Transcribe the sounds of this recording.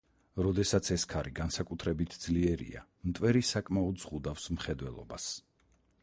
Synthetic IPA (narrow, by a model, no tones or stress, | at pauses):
ɾɔd̪ɛsat̪sʰɛskʰaɾiɡansakʼut̪ʰɾɛbit̪ʰd̪z̥liɛɾḭa̰ | mt̪ʼwɛɾisakʼmaɔd̪z̥ʁud̪afsmχɛd̪wɛlˠɔ̰ba̰s